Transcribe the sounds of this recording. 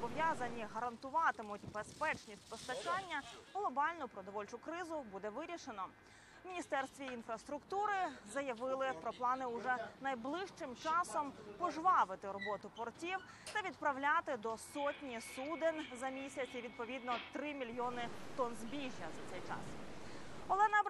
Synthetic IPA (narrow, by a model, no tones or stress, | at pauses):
bɔʋjazɐnʲːiɦɐɾɐnt̪ʊʋɑt̪ɪmʊtʲbespɛt͡ʃnʲisʲt̚ʲpɔst̪ɐt͡ʃɑnʲːɐɦlˠɔbɑlʲnʊpɾɔd̪ɔʋɔlʲt͡ʃʊkɾɪzʊbud̪ɛʋɪɾʲiʃenɔ | wʲnʲist̪ɛrst̪ʋʲiinfɾɐst̪ɾʊkt̪uɾɪzɐjɐʋɪlˠɪpɾɔplˠɑnɪʊʐɛnɐjblˠɪʃt͡ʃɪmt͡ʃɑsɔmpɔʒʋɑʋɪt̪ɪɾɔbɔt̪ʊpɔrtʲiw | t̪ɐʋʲid̪pɾɐʋlʲat̪ɪd̪ɔsɔtʲnʲisud̪ɪnzɐmʲisʲɐt͡sʲiʋʲid̪̚pɔʋʲid̪nɔt̪ɾɪmʲilʲjɔnɪt̪ɔnzbʲiʒʲjɐzɐt̪sɛjt͡ʃɑ̰s | ɔlˠɛnɐ